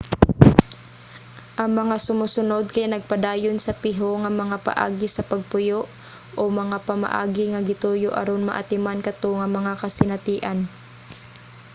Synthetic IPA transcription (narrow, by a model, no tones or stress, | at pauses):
ʔɐŋmɐŋasʊmuːsʊnod̪̚kɐjnɐɡ̚pɐd̪aːjonsɐpɪɦoŋɐmɐŋapɐ̰ʔa̰ːɡɪsɐpɐɡ̚pʊjoʔ | ʔomɐŋapɐmɐ̰ʔa̰ːɡɪŋɐɡɪt̪uːjoʔɐ̰ɾonmɐ̰ʔa̰t̪ɪmankɐt̪oŋɐmɐŋakɐsɪnɐt̪iːʔan